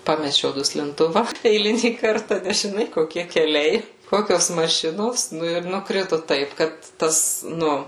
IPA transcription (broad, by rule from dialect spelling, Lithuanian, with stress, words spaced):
ˈpɑːmʲɛt͡ʃʲɛʊ dʊsʲlʲɪnˈtʊʋɐ ɛɪˈlʲɪnʲiː ˈkɐrtɐ nʲɛs ʒʲɪˈnɐɪ koːˈkʲiɛ kʲɛˈlʲɛɪ ˈkoːkʲoːs mɐˈʃʲɪnoːs ˈnʊ ɪr nʊkˈrʲɪtʊ ˈtɐɪp ˈkɐt ˈtɐs ˈnʊ